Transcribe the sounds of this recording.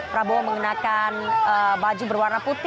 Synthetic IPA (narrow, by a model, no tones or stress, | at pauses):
pɾaboaməŋənakanəbad͡ʒubərwarnaput̪